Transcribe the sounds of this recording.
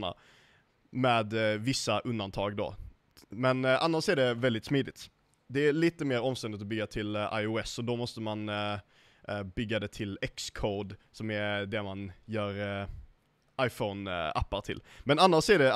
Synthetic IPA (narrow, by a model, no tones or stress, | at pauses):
ɳa̰ | mɛːd̪vɪsːaʔɵnd̪ant̪ʰɑ̰ːɡd̪ɔ̰ | mɛnʔanːaʂæɖɛvɛld̪ɪt̪smiːd̪ɪt̪ | d̪ɛːliːt̪əmeːɾɔmst̪ɛnd̪ɪt̪ɔbʏɡːat̪ʰɪla̰jʊɛsɔd̪ɔmɔst̪əman | bʏɡːad̪ɛt̪ʰɪlɛkskʰoːd̪sɔmæɾɖ̪ɛmanjœːɾ | ʔajfɔna̰pːaɾt̪ʰɪ̰lmɛnanːaʂæɖɛ